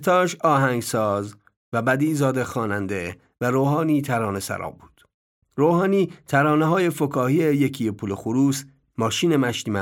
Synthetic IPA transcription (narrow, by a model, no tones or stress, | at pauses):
t̪ʰɒːʃɒːɦæŋɡsɒːz | væbæd̪iːzɒːd̪exɒːnænd̪e | væɾoːɦɒːniːt̪ʰæɾɒːne̞sæ̰ɾɒ̰ːbuːd̪̥ | ɾoːhɒːniːt̪ʰæɾɒːneɦɒːje̞fokʰɒːhiejecʰijepʰulexuɾuːs | mɒːʃiːne̞mæʃt̪iːmæ